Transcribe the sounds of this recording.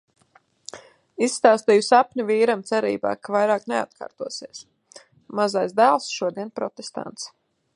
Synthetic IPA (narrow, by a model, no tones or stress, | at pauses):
isːt̪aːst̪iːjusapnʲiviːɾamt̪sɛɾḭːba̰ːkavajɾaːknea̰t̪kʰa̰ːɾt̪uɔsiɛs | mazajzd̪æːlˠsʃuɔd̪iɛnpɾɔt̪est̪a̰nt̪s